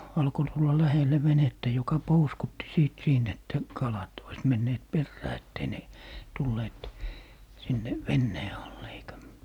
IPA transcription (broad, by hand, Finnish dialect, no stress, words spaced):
ɑlko tulːɑ læhelːe ʋenetːæ jokɑ pouskutːi siːt siːnt etːæ kɑlɑt ois menːeːt perːæː etːei ne tulːeːt sinːe ʋenːeː ɑlːe eikæ